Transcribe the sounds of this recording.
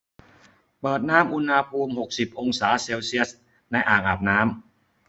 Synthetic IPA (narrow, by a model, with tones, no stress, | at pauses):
pɤː˨˩t̪̚naː˦˥mʔu˧nha˧pʰuː˧mho˨˩k̚si˨˩p̚ʔo˧ŋsaː˩˦˥seː˧wsi˦˥ə˩s | na˧jʔaː˨˩ŋʔaː˨˩p̚naː˦˥m